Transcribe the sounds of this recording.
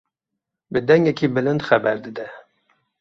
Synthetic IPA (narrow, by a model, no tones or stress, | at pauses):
bɨd̪ɛŋɡɛkʰiːbɨlɨnd̪xæbɛɾd̪ɨd̪ɛ